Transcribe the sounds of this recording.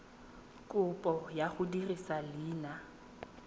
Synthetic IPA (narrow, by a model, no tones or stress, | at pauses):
kʼʊpʼɔjaχʊdirisalɪːna